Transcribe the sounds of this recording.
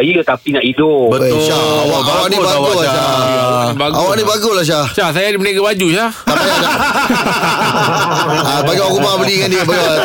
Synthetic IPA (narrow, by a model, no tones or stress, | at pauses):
jət̪apinaʔidʊbət̪ʃawaawaknĩbawulaa | baɡawaʔnibaɡolaʃ̬ahʃas̬ajadimənaɡabad͡ʒuʃa | tapajaʃa | abaɡiawakumabəlikandiəpaɡia